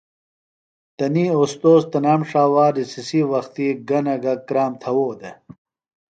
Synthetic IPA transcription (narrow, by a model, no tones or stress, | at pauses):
t̪ɐniːost̪oːzt̪ɐnaːmʂaːwaːdisisiwɐxt̪iɡɐnɐɡɐkɾaːmt̪ʰɐwoːd̪e